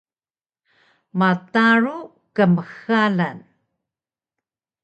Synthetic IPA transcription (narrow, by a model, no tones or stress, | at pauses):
mataɾu | kəməxalan